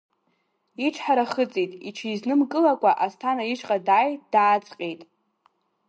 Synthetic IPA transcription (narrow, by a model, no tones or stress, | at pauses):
iʈ͡ʂʰħaɾaχət͡sʼijtʼiʈ͡ʂʰijznɨmkʼɨlakʷʼaʔastʰanaiʂʼqʼadaːjd̥aːt͡sʼqʲʼejtʼ